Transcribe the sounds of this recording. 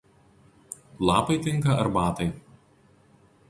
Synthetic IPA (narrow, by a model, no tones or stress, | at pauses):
lˠɑːpɐɪt̪ʲɪŋˑkɐɐɾbɑːt̪ɐɪ